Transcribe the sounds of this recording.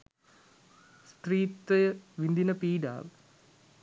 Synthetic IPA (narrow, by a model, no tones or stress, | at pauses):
st̪riːt̪ːɐjʋind̪inɐpiːɖa̰ːʋ